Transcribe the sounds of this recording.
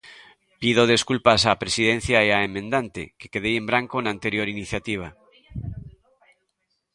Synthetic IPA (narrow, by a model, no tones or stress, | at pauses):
piðoð̞e̞skulpasapɾesiðẽn̟θjaeaemẽnd̪ant̪ḛkekeð̞ejẽmbɾaŋkonant̪eɾjoɾiniθjat̪iβ̞a